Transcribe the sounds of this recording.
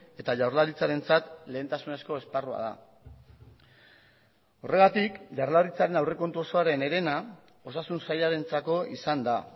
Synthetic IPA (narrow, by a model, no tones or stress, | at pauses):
e̞t̪aʝawɾlaɾit͡saɾe̞nt͡sat̪le̞ːnt̪asune̞sko̞e̞sparua̰ð̞a̰ | o̞re̞ɣat̪ikʝaɾlaɾit͡saɾe̞nawre̞ko̞nt̪uo̞so̞aɾe̞ne̞ɾe̞na | o̞sasunsajaɾe̞nt͡sako̞ʔisand̪a